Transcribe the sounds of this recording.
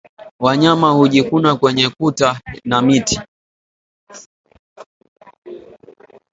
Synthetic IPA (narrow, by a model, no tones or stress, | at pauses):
waɲamahuʄikunakwɛɲɛkutanamiti